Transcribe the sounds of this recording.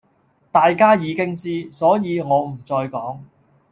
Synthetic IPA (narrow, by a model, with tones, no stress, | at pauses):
t̪aː˨jkaː˥jiː˨˧kɪ˥ŋt͡siː˥sɔː˨˥jiː˨˧ŋɔː˨˧m̩˨˩t͡sɔː˧jkɔː˨˥ŋ